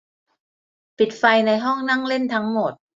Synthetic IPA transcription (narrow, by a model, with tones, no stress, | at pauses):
pi˨˩t̪̚fa˧jna˧jɦɔ˥˩ŋna˥˩ŋle˥˩nt̪ʰa˦˥ŋmo˨˩t̪̚